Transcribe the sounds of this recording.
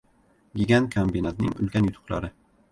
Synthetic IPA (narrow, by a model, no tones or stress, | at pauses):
ɡʲiɡʲankʰambinat̪nɪ̰ŋʊ̰lkʲanjʊt̪ʰʊ̥qlˠa̰ɾɪ